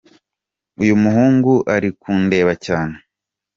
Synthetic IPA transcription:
ujumuɦuːŋɡuʔaɾikuːnde̞ːβacaːne

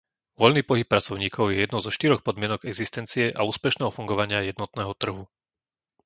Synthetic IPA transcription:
ʋɔʎniːpɔɦip̚ːɾat͡sɔʊɲiːkʰɔʊjɛjɛd̪nɔzɔʃt̪iɾɔxpɔd̪mɪɛnɔɡɛɡzist̪ɛnt͡sijɛʔauːspɛʃnɛːɦɔfuŋɡɔʋaɲɪajɛd̪nɔt̪nɛːɦɔt̪r̩ɦu

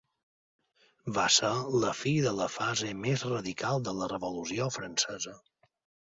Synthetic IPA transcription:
βasəɾləfiðələfazemezrəðikalˠd̪ələrəβulusiofɾənsɛzə

